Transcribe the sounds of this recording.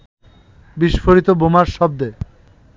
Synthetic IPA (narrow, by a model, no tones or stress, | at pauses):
biʃfoɾit̪obomaɾʃɔb̚d̪e